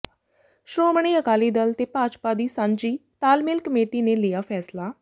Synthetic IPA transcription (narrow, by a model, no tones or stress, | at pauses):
ʃɾoːməɳ̃iːəkaːliːd̪əlt̪eːpaːt͡ʃpaːd̪iːsaɲd͡ʒiːt̪aːlmɪlkəmeːʈiːneːlɪjaːpʰɛːslaː